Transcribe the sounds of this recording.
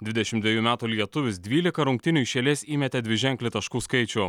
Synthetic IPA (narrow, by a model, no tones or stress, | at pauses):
d̪ʲʋʲɪd̪ʲɛʃʲɪmd̪ʲʋʲiɛjuːmʲæːt̪uːlʲiɛt̪ʊʋʲɪsd̪ʲʋʲiːlʲɪkɐɾʊŋk̚t̪ʲɪnʲʊʃʲeːlʲeːsiːmʲɛt̪ʲɛd̪ʲʋʲɪʒʲɛŋʲklʲɪt̪ɐʃkuːskɐɪt͡ʃʲʊ